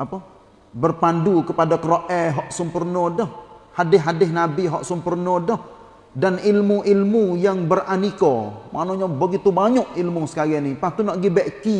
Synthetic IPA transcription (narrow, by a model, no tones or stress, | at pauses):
apə | bərpandukəpadakəɾoʔɛɦɔʔsəmpərnɔdɔhhadɪɦɦadɪhnabiɦɔʔsəmpərnɔdɔh | danilmuʔilmujaŋbəranikɔmʔa̰ʔnoɲabəɡit̪ubaɲɔʔilmusə̥kaɾianipaht̪unɔʔɡibɛʔki